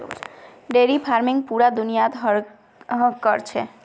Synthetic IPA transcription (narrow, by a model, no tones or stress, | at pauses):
ɖeɾifʰaɾmiŋpuɾad̪unijat̪ɦɔɾ | ɦɔkɔɾt͡ɕʰe